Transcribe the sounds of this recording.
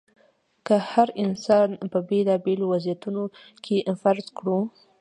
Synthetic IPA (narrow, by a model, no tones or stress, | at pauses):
kəhaɾɪnsɑnpəbelɑbelowazjat̪uno | kʰeʔfaɾzkɽu